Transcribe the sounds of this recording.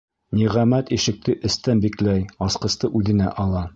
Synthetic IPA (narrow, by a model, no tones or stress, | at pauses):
niʁæmæt̪iʃɘ̆k̚t̪ɘʔɘ̆st̪ænbiklæjɒsqɤ̆st̪ɤʔʉðɘ̆næ̰ʔɑlˠɑ